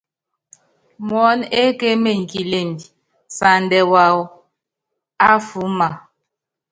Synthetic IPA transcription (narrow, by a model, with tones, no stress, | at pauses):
mɔ˨˦ne˦ke˦me˨ŋ˨ki˨le˨ndi˨ | sa˨ndɛ˨wa˨w | a˦fu˨˦ma˨